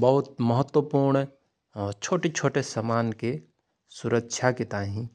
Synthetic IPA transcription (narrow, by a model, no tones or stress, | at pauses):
bɐɦʊt̪̚məɦət̪wəpuːɾɳ | ɔt͡ʃʰoːʈit͡ʃʰoːʈesəmaːnke | sʊɾəkʃʰakit̪aːẽɦĩ